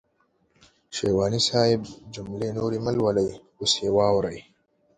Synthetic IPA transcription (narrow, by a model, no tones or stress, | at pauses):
ʃeːwɑːnisaːjɪbd͡ʒʊmlenoːɾiməlwalaj | ʊsjewɑːwɾəj